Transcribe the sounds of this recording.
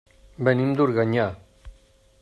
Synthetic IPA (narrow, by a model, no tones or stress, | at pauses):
bɛnimd̪uɾɣaɲa